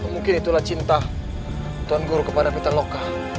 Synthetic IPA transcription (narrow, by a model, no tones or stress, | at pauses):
muŋkɪnit̪ulaht͡ʃint̪a | t̪uanɡuɾukəpadapit̪aloka